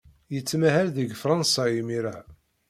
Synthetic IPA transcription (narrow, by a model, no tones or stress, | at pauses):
jət͡sːmæɦælðəɡfɾˤɑnsɑimiɾaʕ